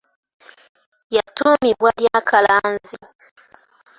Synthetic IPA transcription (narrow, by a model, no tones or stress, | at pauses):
jatumiβwaljakʰalanzi